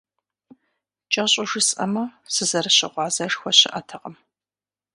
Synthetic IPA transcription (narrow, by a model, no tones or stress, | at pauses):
t͡ʃʼɐɕʼʊʒɨsʼɐ̰mɐsɨzɐrɨɕɪ̰ʁʷɑːzɐʂxʷɔɕɪʔɐtʰɐqəm